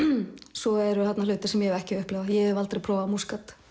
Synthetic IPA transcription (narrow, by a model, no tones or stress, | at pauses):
sɔɛɾʏθat̪nalʏːt̪ɪ̥sɛmjɛhɛɾɛhcɪʏhplɛvajɛɛvalt̪ɾejpʰɾɔːwvaðmuskat̪